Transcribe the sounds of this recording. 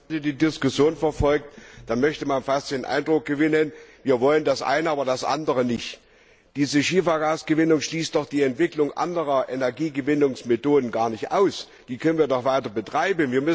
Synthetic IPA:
zədiːdɪskʊsjoːnfɛɐfɔlk̚td̥anmœçtəmanfast̚d̥eːnʔa̰ɪndʁʊk̚ɡ̥əvɪnənviːɐvɔləndasʔa̰ɪnəʔaːbɐdasʔa̰ndəʁənɪçt | d̥iːzəʃiːfɐɡaːsɡ̥əvɪnʊŋʃliːst̚d̥ɔχd̥iːɛntv̥ɪklʊŋʔa̰ndəʁɐʔɛnɛɐɡiːɡəvɪnʊŋsmetoːdn̩ɡaːɐnɪçtʔa̰ʊs | d̥iːkʰœnənviːɐdɔχv̥aɪtɐbətʁ̥aɪbm̩viːɐmʏs

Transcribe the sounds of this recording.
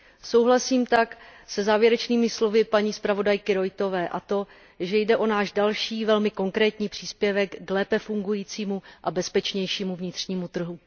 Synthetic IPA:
so̞wɦlasiːmt̪aksɛzaːvjɛɾɛt͡ʃniːmɪslo̞vɪpaɲiːspɾavo̞dajkɪɾo̞jt̪o̞vɛːʔat̪o̞ | ʒɛjdɛʔo̞naːʒdalʃiːvɛlmɪko̞ŋkɾɛːt̪ɲiːpr̥iːspjɛvɛkːlɛːpɛfuŋɡujiːt͡siːmuʔabɛspɛt͡ʃɲɛjʃiːmuvɲɪt̪r̝̥ɲiːmut̪r̩ɦu

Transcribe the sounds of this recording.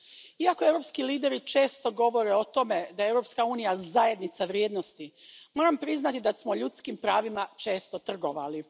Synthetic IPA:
iako̞e̞vɾo̞pskiliːd̪e̞ɾit͡ʃe̞ːst̪o̞ɡo̞ʋo̞ɾe̞ot̪o̞me̞d̪ajeewɾo̞pskauːnijazaje̞d̪nit̪saʋɾjeːd̪no̞st̪imoːɾampɾiznat̪id̪asmoʎut̪skimpɾaːʋimat͡ʃe̞ːst̪o̞t̪r̩ɡo̞ʋa̰li

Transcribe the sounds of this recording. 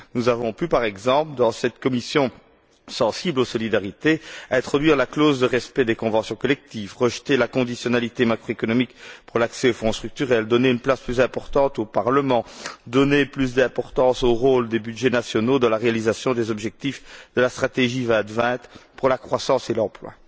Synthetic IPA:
nuzavɔ̃pypaʁɛɡzɑ̃pləd̪ɑ̃sɛt̪kɔmisjɔ̃ | sɑ̃siblosɔlid̪aʁit̪eɛ̃t̪χɔd̪ɥiʁlaklozd̪əʁɛspɛd̪ekɔ̃vɑ̃sjɔ̃kɔlɛk̚t̪ivʁəʒt̪elakɔ̃d̪isjɔnalit̪emakχoekɔnɔmikpuʁlaksɛofɔ̃st̪χyk̚t̪yʁɛld̪ɔneynplasplyzɛ̃pɔʁt̪ɑ̃t̪opaʁləmɑ̃d̪ɔneplys̬d̪ɛ̃pɔʁt̪ɑ̃soʁold̪ebyd̪ʒɛnasjɔnod̪ɑ̃laʁealizasjɔ̃d̪ezɔbʒɛk̚t̪ifd̪əlast̪χat̪eʒivɛ̃t̪vɛ̃t̪puʁlakχwasɑ̃selɑ̃plwa̰

